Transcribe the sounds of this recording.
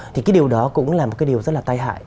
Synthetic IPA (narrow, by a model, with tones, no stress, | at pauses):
t̪ʰi˨˩kaː˨˦jɗi˨˩əwɗɔ˨˦kʊ̰˧˥ŋ͡mlaː˨˩mo˨˩aː˨˦jɗi˨˩əwzə˦˥laː˨˩t̪a˧jɦa̰ː˧˨j